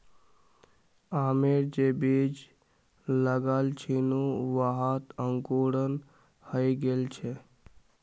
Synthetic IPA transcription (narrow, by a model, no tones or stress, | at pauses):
aːmeɾd͡ʒebed͡ʒ | ləɡalt͡ʃʰinuʋaɦat̪əŋkoɽən | həjɡeːlt͡ʃʰe